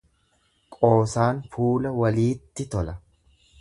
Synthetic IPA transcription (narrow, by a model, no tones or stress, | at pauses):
kʼo̞ːsaːnfuːlɐwɐliːt̪ːɪt̪ɔlɐ